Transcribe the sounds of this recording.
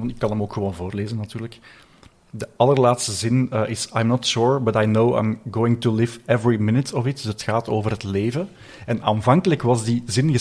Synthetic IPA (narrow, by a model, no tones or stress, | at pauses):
ɑntɪkːɑnɦəmoːkxəʋoːnvoːrleːzənːɑtyːrlək | dəɑlˠərlaːtstəzɪnəʔɪsajmnɔtʃuɹbɑtajnowã̰jmɡoːɪ̃ŋtulɪvɛvɹimɪnɪtɔvɪtdsətxaːtoːvərɦətleːvə | ɛnaːnvɑŋkələkʋɑzdizɪnɣə